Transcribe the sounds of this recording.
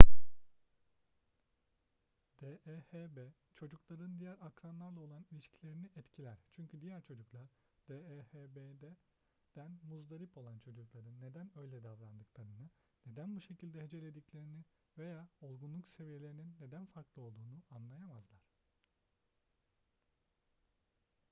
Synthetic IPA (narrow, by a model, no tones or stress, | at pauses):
d̪̥eʔehebɛ | t͡ʃʰo̞d͡ʒuklˠaɾɯnd̪ijæɾakɾanlˠaɾlˠao̞lˠanilʲiʃcʰilʲe̞ɾiniʔɛt̪cʰilʲæɾ̥t͡ʃʰyɲcʰyd̪ijæɾt͡ʃʰo̞d͡ʒuklˠaɾ̥ | d̪̥eehebed̪ɛ | d̪̥ænmuzd̪aɾipo̞lˠant͡ʃʰo̞d͡ʒuklˠaɾɯnːe̞d̪ænø̞jlʲɛd̪avɾand̪ɯklˠaɾɯnɯ | ne̞d̪ænbuʃe̞cʰilʲd̪ɛɦed͡ʒe̞lʲed̪iclʲe̞ɾini | ve̞jaːo̞lˠɡunlˠukse̞vije̞lʲe̞ɾininːe̞d̪ænfaɾklˠɯo̞lˠd̪uːnuʔanlˠajamazlˠaɾ̥